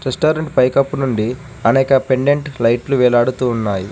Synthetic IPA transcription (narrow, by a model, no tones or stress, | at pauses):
ɾesʈaːɾɐɳʈpɐjkɐpːunuɳɖi | ɐnɛːkɐpe̞ɳɖeɳʈlɐjʈluʋɛːlaːɽut̪uːnːaːji